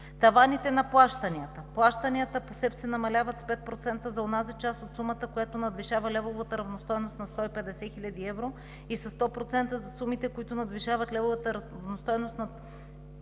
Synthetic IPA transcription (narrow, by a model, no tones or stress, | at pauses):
t̪ɐvanit̪ɛnɐplˠaʃt̪ɐniət̪əplˠaʃt̪əniət̪əposɛpsɛnɐmɐlʲavɐt̪spɛt̪̚pɾot̪sɛnt̪əzɐonazit͡ʃast̪ot̪sumət̪əkojat̪onɐd̪viʃavɐlʲɛvovɐt̪əɾɐvnost̪ɔjnost̪nɐst̪ɔipɛd̪ɛsɛxilʲad̪iɛvɾo | isɐst̪ɔpɾot̪sɛnt̪əzɐsumit̪ɛkoit̪ʊnɐd̪viʃavɐt̪lʲɛvovət̪əɾvnost̪ɔjnost̪nɐ